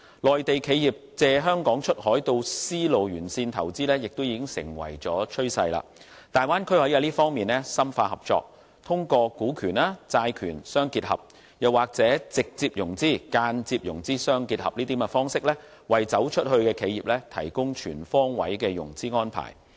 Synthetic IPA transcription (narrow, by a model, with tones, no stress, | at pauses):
lɔː˨˩jt̪e˨jkʰe˨˧jiː˨˩p̚t͡sɛː˨˧ɦœː˥ŋkɔː˨˥ŋt͡ʃʰɵ˥t̚hɔː˨˥jt̪o˧wsiː˥lo˨wjyː˨˩nsiː˧nt̪ʰɐ̰˨˩wt͡siː˥lɛː˥jɪ˨k̚t̪wjiː˨˧kɪ˥ŋsɪ̰˨˩ŋwɐ̰˨˩jt͡sɔː˨˥t͡ʃʰɵ˥ɥsɐ˧jla̰ː˧t̪aː˨jwaː˥nkʰɵ˥ɥhɐ˨˥jaː˨˧˥liː˥fɔː˥ŋmiː˨nɛ˥sɐ˥mfaː˧hɐ˨˩p̚t͡sɔ̰ː˧k̚ | t̪ʰʊ˥ŋkɔː˧kuː˨˥kʰyː˨˩naː˥t͡saː˧jkʰyː˨˩nsœː˥ŋkiː˧t̚hɐ̰˨p̚ | jɐ˨waː˨k̚t͡sɛː˨˥t͡sɪ˨k̚t͡siː˧p̚jʊ˨˩ŋt͡siː˥˩kaː˧nt͡siː˧p̚jʊ̰˨˩ŋt͡siː˥sœː˥ŋki˧t̚hɐ˨p̚liː˥t̪̬iː˨˥mɛ˧fɔː˥ŋsɪ˥k̚lɛː˥ | wɐ˨jt͡sɐ˨˥wt͡ʃʰɵ˥t̚hɵ˧ɥkɛː˧kʰe˨˧jiː˨p̚lɛ˥t̪ʰɐ̰˨˩jkʊ˥ŋt͡ʃʰyː˨˩nfɔː˥ŋwɐ̰˨˥jkɛː˧jʊ̰˨˩ŋt͡siː˥ŋɔː˥npʰa̰ː˨˩j